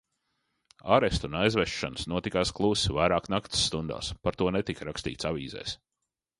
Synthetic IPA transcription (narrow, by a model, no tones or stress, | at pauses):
a̰ɾest̪unajzvɛʃːanəsnuɔt̪ikaːsklˠuːsvajɾaːknakt̪sːt̪und̪o̰ːspaɾt̪uɔnɛt̪ikaɾakst̪ḭːt̪saviːzɛ̰ːs